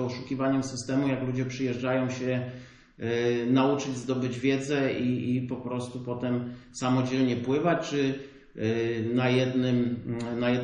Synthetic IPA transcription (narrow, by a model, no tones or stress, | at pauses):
ɔʂukʲivaɲɛmsɘst̪ɛmujaklud͡ʑɛpʂɘjɛʐd͡ʐajɔ̃w̃ɕɛ | naut͡ʂɘd͡ʑzd̪ɔbɘd͡ʑvʲjɛd̪zɛiipɔpɾɔst̪upɔt̪ɛmsamɔd͡ʑɛlɲɛpwɘvat͡ɕt͡ʂɘ | najɛd̪nɘmnajɛd̪